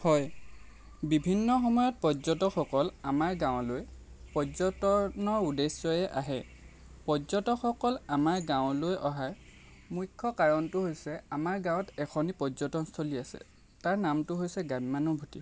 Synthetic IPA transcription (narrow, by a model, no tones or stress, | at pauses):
hɔj | bibʱinːɔxɔmɔjɔt̚pɔzɔtɔkɔkɔlamaɹɡãwʊ̃lojpɔzɔtɔnɔɹudesɔjɛʔa̰ɦɛ | pɔzɔtɔxɔkɔlamaɹɡãʊ̃lojʔɔɦaj | mujkʰːɔkaɹɔntʊɦojsɛamaɹɡãw̃ɔtɛkʰɔnipɔzɔtɔnstʰoliasɛ̰ | taɹnamtʊɦojsɛɡabmanɔbʱuti